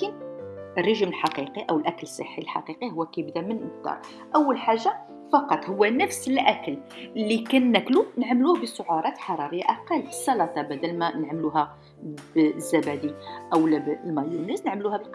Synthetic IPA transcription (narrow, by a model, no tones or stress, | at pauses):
kənərˤːəʒməlħɑqiqiʔæwəlʔækləsˤːə̰ħːilħɑ̰qiqiɦʊwːækæjəbd̪æmənʔəkd̪ɑ̰ɾˤ | ʔəwːəlħaʒːa | fɑqɑt̪ˤhʊwːænəfsəlʔækəllːikænːæklunəʕmluhbəsʊʕuɾˤɑt̪ħɑɾˤɑɾəjːaʔæqɑləsˤːɑlɑt̪ɑbæd̪ælmænəʕməluɦæ | bzːæbæd̪iʔæwlæblmæjunæsnəʕmluhæbəlq